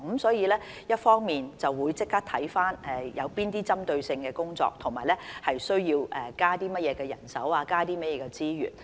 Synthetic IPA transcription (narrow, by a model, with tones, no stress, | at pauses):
msɔː˨˥jiː˨˧lɛː˥ | jɐ˥t̚fɔː˥ŋmiː˨nt͡sɐ˨wwuː˨˧jt͡sɪ˥k̚taː˥t̪ʰɐ˨˥jfaː˥nɛ˨jɐ̰˨˧wpiː˥nt̪iː˥t͡sɐ˥mt̪ɵ˧ɥsɪ˧ŋkɛː˧kʊ˥ŋt͡sɔ̰ː˧k̚t̪ʰʊ˨˩ŋmaː˨˩lɛː˥hɐ˨jsɵ˥ɥjiː˧wɛ˨kaː˥t̪iː˥mɐ˥t̚jɛː˨˧kɛː˧jɐ̰˨˩nsɐ̰˨˥waː˧kaː˥t̪iː˥mɐ˥t̚jɛː˨˧kɛ˧t͡siː˥jy̰ː˨˩n